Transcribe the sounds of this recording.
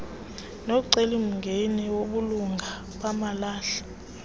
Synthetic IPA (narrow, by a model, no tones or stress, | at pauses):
noǀelim̩ŋɡʱenɛwoɓuluŋɡʱa | ɓamalaːɬḁ